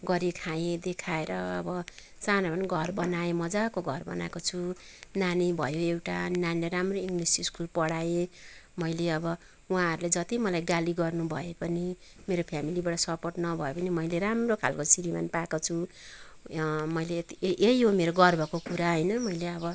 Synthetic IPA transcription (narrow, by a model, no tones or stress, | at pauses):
ɡʌɾikʰajed̪ekʰaeɾʌːbʌ | t͡sanapʌniɡʱʌrbʌnaemʌd͡zakoɡʱʌrbʌ̰na̰kot͡sʰu | nanibʱʌjoewʈananileɾamroiŋɡlisiskulpʌɽaemʌjleʌbʌ | ũɦãɦʌɾuled͡zʌt̪imʌlajɡaliɡʌrnubʱʌepʌni | meɾopʰjamilibaɽʌsʌpoʈnʌbʱʌjopʌnimʌjleramrokʰa̰lkosiɾima̰npakot͡sʰu | mʌjlet̪iʔejɦomeɾoɡʌrbʱʌkokuɾaɦʌjnʌmʌjleʌbʌ